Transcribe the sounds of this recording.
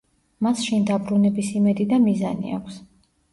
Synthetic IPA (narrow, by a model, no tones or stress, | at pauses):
masʃind̪abɾunɛbisimɛd̪id̪amizanḭa̰kʷʰs